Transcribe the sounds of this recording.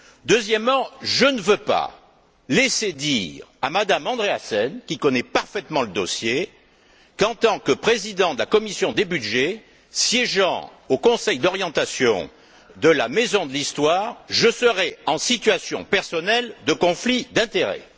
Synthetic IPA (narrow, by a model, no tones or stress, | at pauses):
d̪øzjɛmːɑ̃ʒənəvøpa̰ | lesed̪iʁa̰mad̪amɑ̃d̪ʁeasɛnkʲikɔnɛpaʁfɛt̪mɑ̃ləd̪ɔsje | kɑ̃t̪ɑ̃kəpχezid̪ɑ̃d̪əlakɔmisjɔ̃d̪ebyd̪ʒe | sjɛʒɑ̰̃ | okɔ̃sɛjd̪ɔʁjɑ̃t̪asjɔ̰̃ | d̪əlamezɔ̃d̪əlist̪waʁʒəsəʁɛɑ̃sit̪ɥasjɔ̰̃pɛʁsɔnɛld̪əkɔ̃flid̪ɛ̃t̪eʁɛ̰